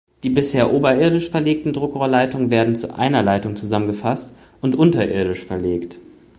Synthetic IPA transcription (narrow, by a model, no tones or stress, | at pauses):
d̥iːbɪsheːɐʔuːbɐɪɐdɪʃfɛɐleːk̚tn̩dʁʊkʁoːɐlaɪtʊŋənveːɐdn̩t͡sṵʔa̰ɪnɐlaɪtʊŋt͡suzamənɡəfast | ʊntʔʊntɐʔɪɐɾɪʃfɛɐleːkt